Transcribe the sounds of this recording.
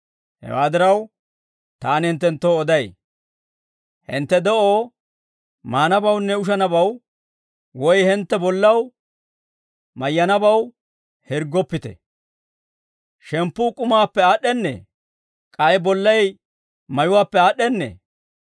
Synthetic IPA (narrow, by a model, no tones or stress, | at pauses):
hɛ̰waːd̪ɪɾɐw | t̪aːnhɪnt̪ːɛnt̪ːoːd̪ɐj | hɪ̰nt̪ːɛd̪ɛʔoː | maːnɐbɐwnːɛʊʃ̬ɐnɐbɐw | wɔjhɪnt̪ːɛbɔlːɐw | mɐjːɐnɐbɐw | hɪɾɡɔpːɪt̪ɛ̰ | ʃɛmpːʊkʼʊmaːpːɛaːɗːɛnːḛː | kʼɐjbɔlːɐj | mɐjʊwaːpːɛaːɗːɛnːḛː